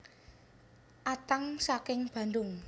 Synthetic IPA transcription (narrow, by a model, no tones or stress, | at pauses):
ʔat̪aŋsakɪŋb̥ä̤nd̪ʊŋ